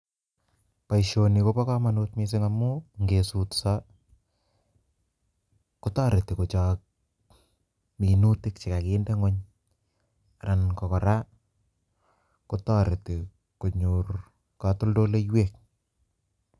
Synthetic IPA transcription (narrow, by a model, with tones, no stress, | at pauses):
pa˨iʃoni˨kopɔ˦kɔma˨nutmis̬ɪŋamuŋɡesutsa˦ | kʊ˦tɔ˦ɾe˨ti˨ku˨t͡ʃɔ˨k̚ | mi˨nutɪ˦k̚t͡ʃi˨ka˨kɪndɛ˦ŋɔ˦ɲ | a˨ɾa˨nkɔ˨kɔ˨ɾa˦ | kutɔ˦ɾe˨ti | ku˨ɲur | kɔ˨tʊ˦ldo˦le˦jwek̚